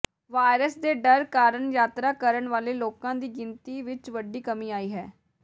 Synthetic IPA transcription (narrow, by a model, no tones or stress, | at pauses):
ʋaːɾəsd̪eːɖəɾkaːɾəɳjaːt̪ɾaːkəɾəɳʋaːleːloːkãːd̪iːɡɪnt̪iːʋɪt͡ʃʋəɖiːkəmĩːaːiːɦɛː